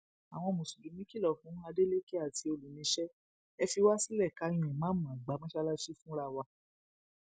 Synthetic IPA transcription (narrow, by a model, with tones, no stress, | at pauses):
a˨w̃ɔ̃˧˨mũ˨su˨dũ˨˦mĩ˦ki˦lɔ˦˨fũ˨˦a˧de˦le˦ke˦a˦˨ti˧o˧lu˨nĩ˨˧˦ʃɛ˦ | ɛ˧fi˧wa˦si˦lɛ˦˨ka˨˦j̃ĩ˧˨ɛ̃˨mã˨˦mã˨ɡ͡ba˨˦mã˦ʃa˧˦la˦ʃi˦fũ˦ɾa˧wa˧